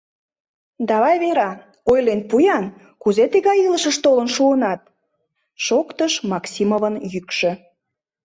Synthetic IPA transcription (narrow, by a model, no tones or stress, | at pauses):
d̪ɑβɑjβeɾɑ | ojlenpujɑn | kuzet̪eɣɑjiləʃəʃt̪olənʃuənɑt̪̚ | ʃokt̪əʃmɑksʲimovənjykʃø̆